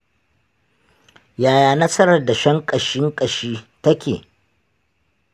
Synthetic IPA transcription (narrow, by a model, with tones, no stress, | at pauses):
jaː˨jaː˨nɐ˦sɐ˦ɾɐ˨rda˨ʃɐ˦ŋkʼɐ˨ʃɪ˦ŋkʼɐ˨ʃiː˦tɐ˦kʲḛː˨